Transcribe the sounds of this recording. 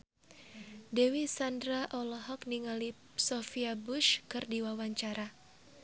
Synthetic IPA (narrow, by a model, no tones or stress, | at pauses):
dewisandɾaʔɔlɔɦɔkniŋali | sɔfiabuʃkɨrdiwawaɲt͡ʃaɾa